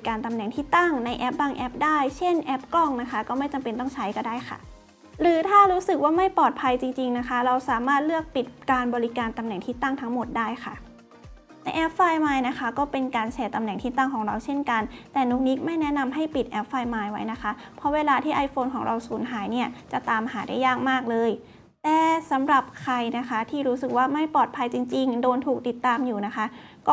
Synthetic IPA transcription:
kaː˧nt̪a˧mnɛ˨˩ŋt̪ʰiː˥˩t̪a˥˩ŋna˧jʔɛ˦˥p̚baː˧ŋʔɛ˦˥p̚daː˥˩jt͡ɕʰe˥˩nʔɛ˦˥p̚kɔ˥˩ŋna˦˥kʰa˦˥kɔː˥˩ma˥˩jt͡ɕa˧mpe˧nt̪ɔ˥˩ŋt͡ɕʰa˦˥jkɔː˧˩daː˥˩jxʰa̰˥˩ | ɾɯː˩˦t̪ʰaː˥˩ɾuː˦˥sɯ˨˩k̚waː˥˩ma˥˩jpɔː˨˩t̪̚pʰa˧jt͡ɕi˧ŋt͡ɕi˧ŋna˦˥kʰa˦˥ɾa˧wsaː˩˦maː˥˩t̪̚lɯ˥˩ək̚pi˨˩t̪̚kaː˧nbɔː˧ɾi˦˥kaː˧nt̪a˧mnɛ˨˩ŋt̪ʰiː˥˩t̪a˥˩ŋt̪ʰa˦˥ŋmo˨˩t̪̚daː˥˩jkʰa̰˥˩ | na˧jʔɛ˦˥p̚faː˧jmaː˧jna˦˥kʰa˦˥kɔː˥˩pe˧nkaː˧nt͡ɕʰɛː˧t̪a˧mnɛ˨˩ŋt̪ʰiː˥˩t̪a˥˩ŋkʰɔː˩˦ŋɾa˧wt͡ɕʰe˥˩nka˧nt̪ɛː˨˩nuː˦˥k̚ni˦˥k̚ma˥˩jnɛ˦˥na˧mɦa˥˩jpi˨˩t̪̚ʔɛ˦˥p̚faː˧jmaː˧jwa˦˥jna˦˥kʰa˦˥ʔ | pʰɔ˦˥weː˧laː˧t̪ʰiː˥˩ʔa˧jfoː˧nkʰɔː˩˦ŋɾʔa˧wsuː˩˦nɦaː˩˦jni˥˩ɐt͡ɕa˨˩t̪aː˧mɦaː˩˦da˥˩jːaː˥˩ŋ̚maː˥˩k̚lɤː˧j | t̪ɛː˨˩sa˩˦mɾa˨˩p̚kʰɾa˧jna˦˥kʰa˦˥t̪ʰiː˥˩ɾuː˦˥sɯ˨˩k̚waː˥˩ma˥˩jpɔː˨˩t̪̚pʰa˧jt͡ɕi˧ŋt͡ɕi˧ŋdoː˧nt̪ʰuː˨˩k̚t̪i˨˩t̪ːaː˧mjuː˨˩na˦˥xʰa˦˥ʔkɔː˥˩

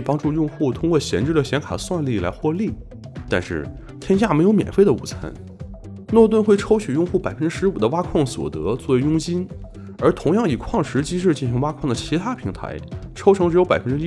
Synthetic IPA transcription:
pɑ˥ŋʈ͡ʂu˥˧jʊ˥˧ŋxu˥˩t̪ʰʊ˥ŋkwɔ˥˩ɕjɛ˧˥nʈ͡ʂɻ̩˥˩d̪ə˩ɕjɛ˧˥nkʰa̰˨˩swa˥˧nli˥˩la˧˥ɪxwɔ˥˧li˥˩ | t̪a˥˧nʂɻ̩˥˩ | t̪ʰjɛ˥nɕ̬ja˥˩me˧˥ɪjo˧˥ʊmjɛ̰˨˩nfe˥ɪd̪ə˩ṵ˨˩t͡sʰə̰˧˥n | nwɔ˥˧t̪̬wə˥˧nxwe˥˩ɪʈ͡ʂʰo˥ʊt͡ɕʰy˨˩jʊ˥˧ŋxu˥˩pa˨˩ɪfə˥nʈ͡ʂɻ̩˥ʂɻ̩˧˥u˨˩d̪ə˦wa˥kʰwɑ˥˩ŋswɔ̰˨˩t̪ɤ̰˧˥t͡swɔ˥˩we˧˥ɪjʊ˥ŋt͡ɕi˥n | ə˞˧˥t̪ʰʊ˧˥ŋjɑ˥˩ŋi˨˩kʰwɑ˥˩ŋʂɻ̩˧˥t͡ɕi˥ʂ̬ɻ̩˥˧t͡ɕi˥˩nɕi˧˥ŋwa˥kʰwɑ˥˩ŋd̪ə˩t͡ɕʰi˧˥t̪ʰa˥pʰi˧˥ŋt̪ʰa̰˧˥ɪʈ͡ʂʰo˥ʊʈ͡ʂʰŋʈ͡ʂɻjo˧˥pa˨˩ɪfə˥nʈ͡ʂɻ̩˥

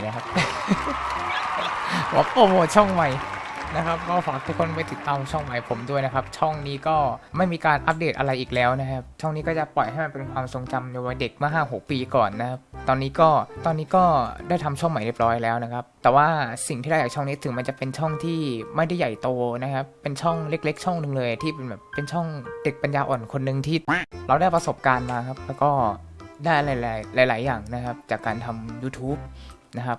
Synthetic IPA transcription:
na˦˥kʰa˦˥p̚ | o˧˦wa˦˥poː˧moː˨˩t̪̚t͡ɕʰɔ˥˩ŋma˨˩jna˦˥kʰa˦˥p̚kɔː˥˩ɔː˨˦a˦˩t̪ʰu˦˥kʰo˧npa˧jt̪i˨˩t̪ːaː˧m˧t͡ɕʰɔ˥˩ŋma˨˩jpʰo˩˦mdu˥˩əjna˦˥kʰa˦˥p̚t͡ɕʰɔ˥˩ŋniː˦˥kɔː˥˩ma˥˩jmiː˧kaː˧nʔa˦˥p̚deː˨˩t̪̚ʔa˧ɾa˧jʔiː˨˩k̚lɛː˦˥wna˦˥kʰa˦˥p̚t͡ɕʰɔ˥˩ŋniː˦˥kɔː˥˩t͡ɕa˨˩pɔ˨˩jha˥˩jma˧npe˧nkʰwaː˧mso˨˧ŋt͡ɕa˧mna˧waː˧de˨˩k̚mɯ˥˩ɐɦaː˥˩ŋɦo˨˩˦k̚piː˧kɔ̰ː˨˩nːa˦˥kʰa˦˥p̚t̪ɔː˧nːiː˦˥kɔː˥˩t̪ɔː˧nːiː˦˥kɔː˥˩da˥˩jt̪ʰa˧mt͡ɕʰu˥˩ma˨˩˦ɾi˥˩p̚ɾɔː˦˥jlɛː˦˥wna˦˥kʰa˦˥p̚t̪ɛː˨˩waː˥˩si˨˩ŋt̪ʰiː˥˩a˥˩jaː˨˩t͡ɕʰːŋniː˦˥˩t̪ʰɯ˩˦ma˧nt͡ɕa˨˩pe˧nt͡ɕʰɔ˥˩ŋt̪ʰiː˥˩ma˥˩jda˥˩ja˨˩jt̪oː˧na˦˥kʰa˦˥pːe˧nt͡ɕʰɔ˥˩ŋle˦˥k̚le˦˥k̚t͡ɕʰɔ˥˩ŋnɯ˧ŋlɤː˧ja˨˩t̪ʰiː˥˩be˧nbɛː˨˩pːe˧nt͡ɕʰɔ˥˩ŋde˨˩k̚pa˧njaː˧ʔɔː˨˩nkʰo˧nːɯ˧ŋt̪ʰiː˥˩ɾa˧wdaː˥˩jpɾa˧so˨˩p̚kaː˧nmaː˧kʰa˦˥p̚lɛː˦˥wkɔː˥˩daː˥˩la˨˩jlaː˨˩˦jlaː˩˦jlaː˩˦jːaː˨˩ŋna˦˥kʰa˦˥p̚t͡ɕaː˨˩kːaː˧nt̪ʰa˧mjuː˧˥t̪ʰuː˦˥p̚ | na˦˥kʰa˦˥p̚

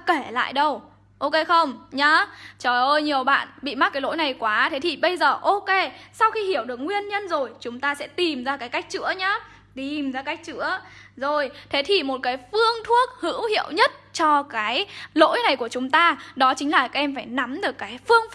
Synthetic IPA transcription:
ke˧˩la̰ː˧˨jɗə˧w | ʔo˧ke˧xə˧wŋ͡mɲa˨˦t͡ɕɔ˨˩ʔə˧jɲi˨˩əwɓa̰ː˧˨nɓḭ˧˨ma˦˥t̚kaː˨˦lo̰˧˥jna˨˩jkwaː˨˦t̪ʰe˨˦t̪ʰi˨˩ɓə˧jzəː˨˩ʔo˧ke˧sa˧wxi˧hi˧˩əwɗɨ˨˩ək̚ŋwi˧ənɲə˧nzo˨˩jt͡ɕʊ˨˦ŋ͡mt̪aː˧sɛ̰˧˥t̪i˨˩mzaː˧kaː˨˦jka˦˥jk̟̚t͡ɕɨ̰˧˥əɲa˨˦ | t̪i˨˩mzaː˧ka˦˥jk̟̚t͡ɕɨ̰˧˥əzo˨˩jt̪ʰe˨˦t̪ʰi˨˩mo˨˩t̚kaː˨˦jfɨ˧əŋt̪ʰu˦˥ək̚hɨ̰˧˥whḭ˧˨əwɲə˦˥t̚t͡ɕɔ˧kaː˨˦jlo̰˧˥jna˨˩jku˧˩ət͡ɕʊ˨˦ŋ͡mt̪aː˧ɗɔ˨˦t͡ɕï˨˦ŋ̟laː˨˩kaː˨˥ʔɛ˧mfaː˧˩jna˨˦mɗɨ˨˩əkːaː˨˦jfɨ˧əŋf

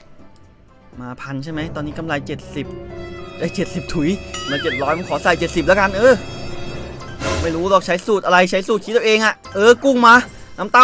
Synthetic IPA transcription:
maː˧pʰa˧nt͡ɕʰa˥˩jma˦˥jt̪ɔː˧nːiː˦˥ka˧mɾa˧jt͡ɕe˨˩t̪̚si˨˩p̚ʔa˧˩t͡ɕe˨˩t̪̚si˨˩p̚t̪ʰu˨˩˦jmaː˧˩t͡ɕe˨˩t̪̚ɾɔː˦˥jma˧nkʰɔː˩˦sa˨˩jt͡ɕe˨˩t̪̚si˨˩p̚lɛ˦˥ka˧nʔɤː˧˩ | lɔː˧˩k̚ma˥˩jɾuː˦˥lɔː˧˩k̚t͡ɕʰa˦˥jsuː˨˩t̪̚ʔa˧ɾa˧jt͡ɕʰa˦˥jsuː˨˩kʰiː˦˥˧ʔeː˧ŋʔa˨˩ʔʔɤː˧ku˥˩ŋmaː˧ | naː˦˥mt̪a˥˩

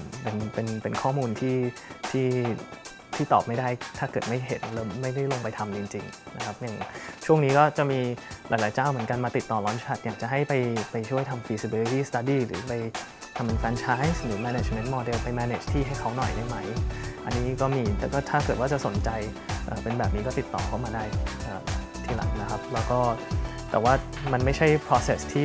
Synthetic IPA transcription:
pe˧npe˧npe˧nkʰɔː˥˩muː˧nt̪ʰiː˥˩t̪ʰiː˥˩ | t̪ʰiː˥˩t̪ɔ̰ː˨˩p̚ma˥˩jdaː˥˩jt̪ʰaː˥˩kɤː˨˩t̪ma˥˩jɦe˩˦n̚lɤː˧˩mːa˥˩jda˥˩jlo˧ŋpa˧jt̪ʰa˧mt͡ɕi˧ŋt͡ɕi˧ŋ | na˦˥kʰa˦˥p̚ja˨˩ŋt͡ɕʰu˥˩əŋniː˦˥kɔː˥˩t͡ɕa˨˩miː˧laː˨˦jla˨˦jt͡ɕaː˥˩wmɯ˩˦ənka˧nmaː˧t̪i˨˩t̪ːɔː˨˩lɔː˦˥nʰa˦˥t̪̚jaː˨˩k̚t͡ɕa˨˩ɦa˥˩jpa˧jpa˧jt͡ɕʰu˥˩əjt̪ʰa˧mfiː˧si˧bi˧li˦t̪iː˥˩st̪a˧˩diː˧˩ɾɯ̰ː˩˦pa˧j | t̪ʰa˧mʔa˧nfɛː˧nt͡ɕʰaː˦˥jsnɯː˨˩˦mɛː˧ne˨˩t͡ɕme˦˥ntmɔː˧de˧wpa˧jmɛː˧nḛː˨˩t͡ɕt̪ʰiː˥˩ɦa˥˩jkʰa˦˥wnɔ̰˨˩jna˧˥˩jma˦˥jʔa̰˧nːiː˦˥kɔː˥˩miː˧t̪ɛː˨˩kɔː˥˩t̪ʰaː˥˩kɤ˨˩t̪̚waː˥˩t͡ɕa˨˩ʔso˩˦nt͡ɕa˧j | ʔəː˨˩pe˧nbɛː˨˩p̚niː˦˥kɔː˥˩t̪i˨˩t̪ːɔ̰ː˨˩kʰa˥˩wmaː˧daː˥˩jʔəː˨˩ | t̪ʰiː˥˩la̰˨˩˦ŋna˦˥kʰa˦˥p̚lɛː˦˥wkɔː˥˩t̪ɛ̰ː˨˩waː˥˩ma˧nma˥˩jt͡ɕʰa˥˩jpʰɾɔː˧se˨˩st̪ʰiː˥˩

